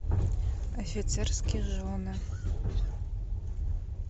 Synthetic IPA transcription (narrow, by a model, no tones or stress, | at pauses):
ofit͡sʰerskʲʰiʒona